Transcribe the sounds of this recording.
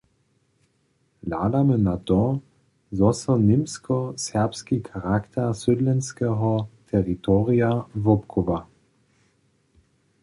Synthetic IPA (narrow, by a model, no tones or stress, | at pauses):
la̰ːd̪amənat̪ɔ | zɔsənɪmskɔsɛɐpskikʰaʁakt̪ʰɛsød̪lɛnskɛɦɔt̪ʰɛʁit̪ɔʁiavɔpkʰɔva